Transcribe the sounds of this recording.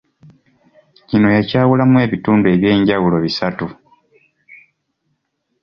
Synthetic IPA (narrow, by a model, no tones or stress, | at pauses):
cino̞jacaːwulamwe̞ːβituːndue̞βje̞ːɲɟawulo̞βisatu